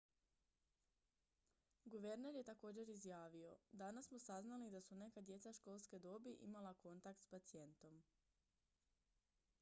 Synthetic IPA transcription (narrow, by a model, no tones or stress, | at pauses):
ɡuʋe̞ɾne̞ɾje̞t̪ako̞ːd͡ʑe̞ɾizjaːʋio̞d̪anasmosaznalid̪asune̞kad̪je̞t̪saʃko̞ːlˠske̞d̪o̞biʔḭmalˠako̞nt̪ak̚t̪spat̪sije̞nt̪o̞m